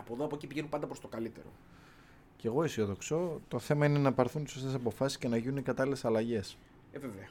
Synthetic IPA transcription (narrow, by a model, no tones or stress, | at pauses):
ɐpoðoɐpocipiʝenumpɐnd̪ɐpɾost̪o̞kɐlit̪e̞̰ɾo̞̰ | ce̞ɣo̞isioðokso̞t̪o̞θe̞mɐine̞nɐpɐɾθunt̪i̥so̞st̪esɐpo̞fɐsi̥sce̞nɐʝinunikɐt̪ɐlile̞sɐlɐʝe̞s | eveveɐ